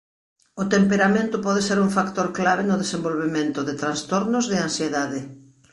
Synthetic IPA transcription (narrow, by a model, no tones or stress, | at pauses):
ʊt̪empeɾamẽnt̪ʊpɔðeseɾuŋfakt̪oɾklaβenʊðesembolβemẽnt̪ʊðɪt̪ɾanst̪oɾnʊzðɪansjeðaðɪ